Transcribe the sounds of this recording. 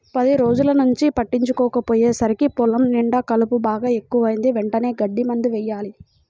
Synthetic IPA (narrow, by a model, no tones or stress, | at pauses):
pɐd̪iɾo̞ːd͡ʒulɐnuɲt͡ʃipɐʈːiɲt͡ʃukɔːkɐpoːjeːsɐɾikipɔlɐmniɳɖɐkɐlupubaːɡaːe̞kːuʋɐjind̪iʋeɳʈɐne̞ːɡɐɖːimɐnd̪iʋɛjːaːli